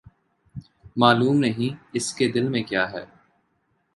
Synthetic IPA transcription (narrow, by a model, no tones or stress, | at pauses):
maːluːmnɐɦĩɪsked̪ɪlmẽkjaːɦɛ̰ː